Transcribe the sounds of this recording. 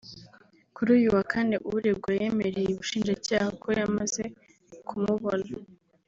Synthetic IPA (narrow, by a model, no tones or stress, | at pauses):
kuɾuːjuwakʰane̞ʔuβuɾebɡwaje̞me̞ɾe̞jeβuʃiːnd͡ʒacaːhakʰo̞jamaze | kʰumuβona